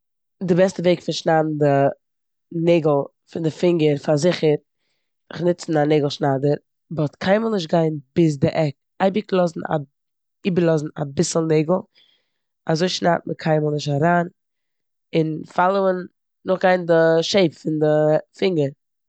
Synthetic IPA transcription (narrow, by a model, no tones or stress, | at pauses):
dɪbɛstəveɪkfɪnʃnabm̩dɪ | neɪɡl̩ˠ | fɪndɪfɪŋɡəɾfazɪχəɾ | ɪχnɪt͡sn̩aneɪɡl̩ˠʃnaːdəɾ | bɔtkʰaɪməlˠnɪʃ̬tɡaɪnbɪs̬dɪʔɛk | aɪbɪklˠɔzn̩a̰ | iːbəɾlˠɔzn̩a̰bɪsl̩ˠneɪɡl̩ˠ | azoɪʃna̰t̚məkʰaɪməlˠnɪʃ̬taɾaːn | ɪnfalˠoənː | ʊχɡaɪndɪʃeɪpfɪndɪfɪŋɡəɾ